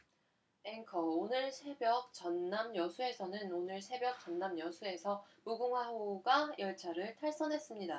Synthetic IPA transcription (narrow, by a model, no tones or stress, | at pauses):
eŋkʰʌonɯɭsʰe̞bjʌk̚t͡ɕʌnːamjʌsʰue̞sʰʌnɯnonɯɭsʰe̞bjʌk̚t͡ɕ͈ʌnːamjʌsʰue̞sʰʌmuɡuŋwaoɡajʌɭt͡ɕʰaɾɯɭtʰaɭs͈ʌnɦe̞s͈ɯmɲida